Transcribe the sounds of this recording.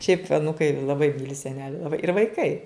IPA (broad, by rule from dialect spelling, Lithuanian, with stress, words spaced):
ʃʲɛɪp ɐˈnuːkɐɪ lˠɐˈbɐɪ ˈmʲiːlʲɪ sʲɛˈnʲæːlʲɪ lˠɐˈbɐɪ ɪr ʋɐɪˈkɐɪ